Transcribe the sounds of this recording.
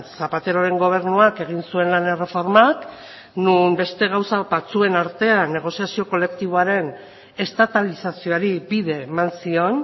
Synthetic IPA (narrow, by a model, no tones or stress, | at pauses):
sapat̪e̞ɾoɾe̞ŋɡo̞β̞e̞ɾnuake̞ɣ̞insue̞nlanere̞fo̞ɾmak | numbe̞st̪e̞ɣawsabat͡sue̞naɾt̪e̞ane̞ɣ̞o̞siasio̞ko̞le̞kt̪iβ̞oaɾe̞n | e̞st̪at̪alisasio̞aɾibiðe̞ːmansio̞n